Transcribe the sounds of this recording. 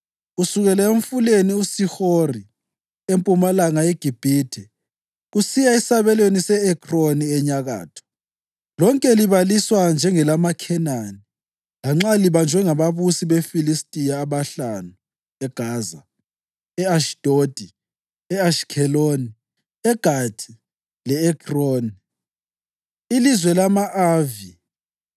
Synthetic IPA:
usuɣɛlɛeɱfuleniusixori | empʼumalaŋajeɡ̥ʱib̥ʱitʰɛ | ɣusijaisaβɛlwenisɛɛkʰʼroniɛɲaɣa̰ːtʰɔ̥ | lɔŋkʼɛliβaliswand͡ʒʱɛŋɛlamakʰɛnani | laŋ͡ǁaliβand͡ʒʱwɛŋaβaβusiβefilistʼijaːβaɬanu | ɛɡ̥ʱaːza̰ | ɛaʃd̥ʱod̥ʱi | ɛaʃkʰɛloni | ɛɡ̥ʱad̥ʰʱi̥ | lɛɛkʰʼroni | ilizwɛlamaʔaːvi

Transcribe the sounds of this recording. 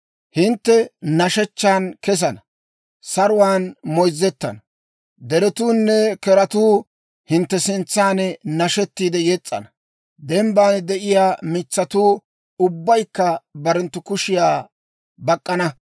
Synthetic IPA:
hɪnt̪ːɛnɐʃɛt͡ʃːaːnkɛs̬ɐnɐ | sɐɾʊwaːnmɔjzːɛt̪ːɐ̰nɐ | d̪ɛɾɛt̪uːnːɛkɛɾɐt̪uː | hɪnt̪ːɛsɪnt͡sːaːnɛnɐʃɛt̪ːiːd̪ɛjɛt͡sʼːɐ̰nɐ | d̪ɛmbaːnd̪ɛʔɪjaːmɪt͡sːɐt̪uː | ʊbːɐjkːɐbɐɾɛnt̪ːʊkʊʃɪjaː | bɐkʼːɐnɐ

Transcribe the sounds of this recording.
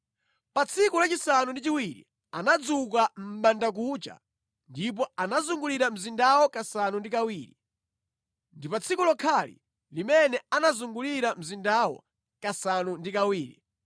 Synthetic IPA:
pat͡sʰikulat͡ʃisanundit͡ʃiwiɾḭ | anad͡zuk̬am̩ɓandak̬ut͡ʃa̰ | ndip̬ɔanazuŋɡuliɾam̩zindawɔkasanundikawiːɾi | ndipat͡sʰikulɔkʰalḭ | limɛnɛanazuŋɡuliɾam̩zindawɔ̰ | kasanundikawiːɾḭ

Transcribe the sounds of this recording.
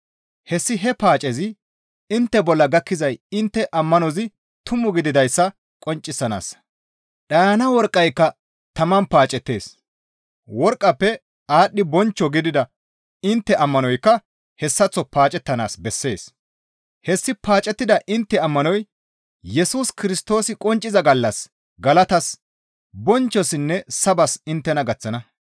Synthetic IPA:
hɛsːɪɦɛpaːt͡ʃʼɛzɪ | ɪnt̪ːɛbɔlːɐɡɐkːɪzɐjɪnt̪ːɛʔɐmːɐnɔzɪ | t̪ʊmʊɡɪd̪ɪd̪ɐjsːɐ | kʼɔnt͡ʃʼːɪsːɐna̰ːsɐ̥ | ɗaːnɐwɔɾkʼːɐjkːɐ | t̪ɐmɐnpaːt͡ʃʼɛt̪ːe̞̰ːs | wɔɾkʼːɐpːɛ | aːɗːɪbɔnt͡ʃːɔɡɪd̪ɪd̪ɐ | ɪnt̪ːɛʔɐmːɐnɔjkːɐ | hɛsːɐt͡sːɔpaːt͡ʃʼɛt̪ːɐna̰ːsbɛsːe̞̰ːs | hɛsːɪpaːt͡ʃʼːɛt̪ːɪd̪ɐʔɪnt̪ːɛɐmːɐnɔj | jɛsuːskɪɾɪst̪o̞ːsɪkʼɔnt͡ʃʼːɪzɐɡɐlːɐs | ɡɐlɐt̪ɐs | bɔnt͡ʃːɔsɪnːɛsɐbɐsɪnt̪ːɛnɐɡɐt͡sːɐnɐ

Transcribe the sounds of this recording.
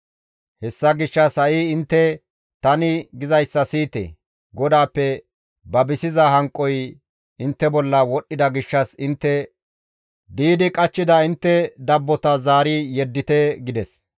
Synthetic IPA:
hɛsːɐɡɪʃːɐshɐʔiːɪnt̪ːɛ | t̪ɐnɪɡɪzɐjsːɐsiːt̪ḛ | ɡɔd̪aːpːɛ | bɐbɪsɪzɐɦɐŋkʼːɔj | ɪnt̪ːɛbɔlːɐwɔɗːɪd̪ɐɡɪʃːɐsɪnt̪ːɛ | d̪iːd̪ɪkʼɐt͡ʃːɪd̪ɐɪnt̪ːɛd̪ɐbːɔt̪ɐzaːɾijɛd̪ːɪt̪ɛɡɪd̪ɛs

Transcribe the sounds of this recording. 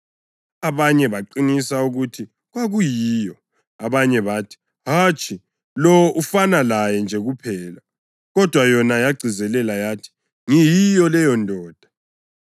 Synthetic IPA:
aβaɲɛβaǃiŋisauɣutʰi | ɣwaɣujiːjɔ | aβaɲɛβaːtʰi̥ | ɦat͡ʃʼʰi | lɔʔufanalajɛnd͡ʒʱɛɣupʰɛːla | ɣɔd̥ʱwajɔnajaɡ͡ǀʱizɛlɛlajaːtʰi̥ | ŋijijɔlɛjɔndʱɔːd̥ʱḁ

